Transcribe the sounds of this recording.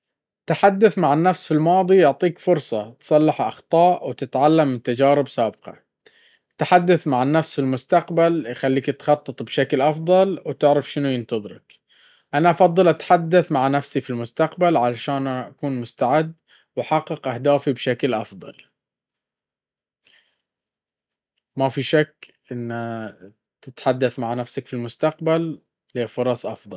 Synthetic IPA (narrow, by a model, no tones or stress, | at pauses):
t̪aħad̪ːaθmaʕanːafsfilmɑːðˤijʊʕt̪ˤiːkfʊɾsˤɑt̪sˤɑlːɪħʔɑ̰xt̪ˤɑːʔwt̪ɪt̪ʕalːamːɪt̪ad͡ʒaːɾɪbsaːbqɑ̰ | t̪aħad̪ːaθmaʕanːafsfilmʊst̪aqbaljxalːiːkt̪xɑt̪ˤːɨt̪ˤbʃaklʔɑfðˤɑlwt̪ɪʕɾafʃɪnujɪnt̪ɑðˤɨɾɪ̰k | ʔanaʔɑfɑd̪ˤːɨlʔat̪ħad̪ːaθmaʕnafsifilmʊst̪aqbalʕalaʃaːnaʔakuːnmʊst̪aʕɪd̪ː | waħɑqːɪqʔahd̪aːfibʃaklʔɑfd̪ˤɑ̰l | mafiʃakːʔɪnːa | t̪ɪt̪ħad̪ːaθmaʕnafsakfilmʊst̪aqbalː | eːfʊɾˤɑsˤʔɑ̰fd̪ˤɑl